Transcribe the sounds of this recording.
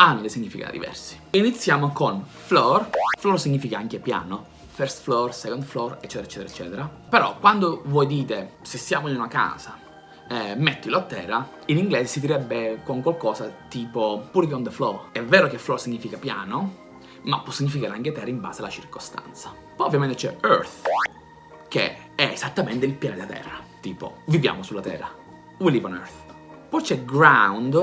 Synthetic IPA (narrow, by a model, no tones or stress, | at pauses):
anːolesiɲːifika̰d̪ḭvɛ̰rsi̥init̪sːjaːmokon | flɔrflɔrsiɲːifikaaŋkepja̰ːno | fɛɾst̪flɔrsɛkond̪flɔret͡ʃːɛt̪eɾaet͡ʃːɛt̪eɾɛt͡ʃːɛ̰ːt̪eɾa | peɾɔ̰kːwand̪ovɔjd̪iːt̪esesːjaːmoinunaka̰ːza̰ | met̪ːoilot̪ːɛːɾa | iniŋɡlɛːsesid̪iɾɛbːekoŋkwalkɔːzat̪iːpopuːɾekɔnd̪əflɔɛvɛːɾokeflɔsiɲːifikapjaːno | mapːɔsːiɲːifikaːɾeaŋket̪ɛrːaimba̰ːzealat͡ʃirkost̪a̰nt̪sa | pɔjovjament̪et͡ʃɛ̰ø̰ɾθ | k̟ḛ | ɛezat̪ːamɛnt̪eilpjaːned̪at̪ʰɛ̰rːat̪iːpo̰vivja̰ːmosulːat̪ɛ̰ːrːa̰ | wilivanø̰ɾθ | pɔjt͡ʃɛɡɾawnd̪